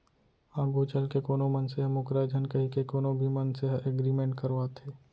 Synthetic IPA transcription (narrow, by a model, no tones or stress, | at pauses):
ãːɡut͡ʃəlkekoːnõmənseɦmʊkɾaːd͡ʒ̪ʱənkɐɦikekoːnõbʱimənseɦʔeɡɾiːmẽːɳʈ̚kəɾʋaːt̪ʰeː